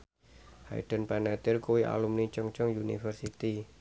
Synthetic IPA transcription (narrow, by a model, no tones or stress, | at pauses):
ha̰j̰ɖ̥ə̤npanat̪ɪrkuwiʔa̰lumnit͡ʃəŋt͡ʃəŋjunḭfərsit̪i